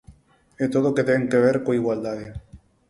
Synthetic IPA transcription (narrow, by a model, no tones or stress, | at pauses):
et̪oðoket̪eŋkeβ̞eɾkoiɣwald̪aðe